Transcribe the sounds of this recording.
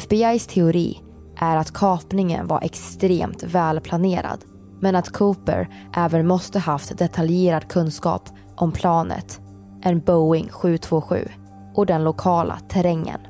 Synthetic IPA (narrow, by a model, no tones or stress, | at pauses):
ɛfbɪajst̪ʰɛʊɾḭː | ʔæɾat̪kʰɑːpnɪŋə̰nva̰ɾʔɛ̰kst̪ɾḛːmt̪vɛːlpʰlaneːɾa̰d̪̥ | mɛnat̪kʰuːpə̰ɾ | ʔɛːvənmɔst̪əhaft̪d̪ɛt̪ʰaljeːɾad̪kʰɵnskɑ̰ːp | ʔɔmpʰlɑːnə̰t̪ | ʔɛnbɔʊɪŋɧʉ̟ːt̪ʰv̥oːɧʉ̟̰ː | ʔɔd̪ɛnlʊkʰɑːlʔa̰t̪ʰɛɾɛŋːə̰n